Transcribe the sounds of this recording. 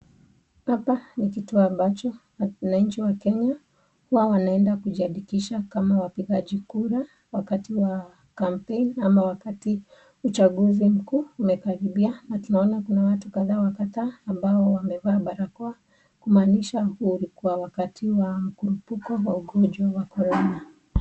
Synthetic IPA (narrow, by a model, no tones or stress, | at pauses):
hapanik̬ituambat͡ʃɔ | naɲ̩t͡ʃiwakɛɲa | huwawanaɛndakuʄiaɗikiʃakamawapiɠaʄikuɾa | wakatiwa | kam̩penamawakati | ut͡ʃaɠuzim̩kuːumɛkaɾiɓianatunaɔnakunawatukaðaːwakataːmbaɔwamɛvaːɓaɾakɔa | kumaːniʃahuulikuwawakatiwam̩kuɾupukɔwauɠɔʄwawakɔɾɔna